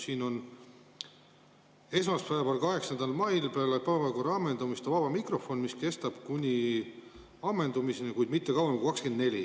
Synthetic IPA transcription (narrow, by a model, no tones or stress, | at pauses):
siːno̞n | e̞smɑspæebeɑlkɑɦe̞ksɑnd̪ɑlmɑjlpeɑlepæbɑkorɑɑmːe̞nd̪umist̪ɑvɑb̥ɑmikro̞fo̞nmiske̞st̪ɑb̥kunʲi | ɑmːe̞nd̪umisenekujd̪mit̪ːe̞kɑwɑmkukɑkskend̪ne̞lʲi